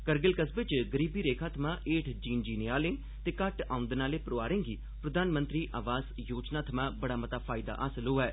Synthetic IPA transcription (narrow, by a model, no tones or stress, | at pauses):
kəɾɡəlkəsʋɪt͡ʃɡəɾiːbiːɾeːkʰaːt̪ʰəmãːʔeːʈʰd͡ʒiːnd͡ʒiːnɪjaːlɪ̃ŋ | t̪eːkəʈaːʊ̃nd̪naːleːpəɾoʋaːɾẽːŋɡiː | pɾəd̪aːnmə̃nt̪ɾiːʔaːʋaːz | joːd͡ʒnaːt̪ʰəmãːbəɽaːmət̪aːpʰaːɪd̪a̰ːʔaːsəloːɦɛː